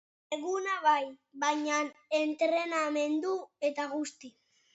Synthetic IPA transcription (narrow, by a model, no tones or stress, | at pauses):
eɣunaβajβaɲane̞nt̪ɾe̞name̞nd̪ue̞t̪aɣust̪i